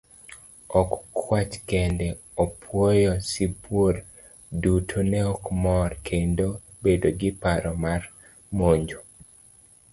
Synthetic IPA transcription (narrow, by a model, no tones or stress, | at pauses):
ɔkkːwat͡ʃkɛndɛ | ɔpʰwɔjɔsibwor | dutʰonɛɔkmɔrkʰendo | bedoɡɪpaɾɔmar | moɲd͡ʒo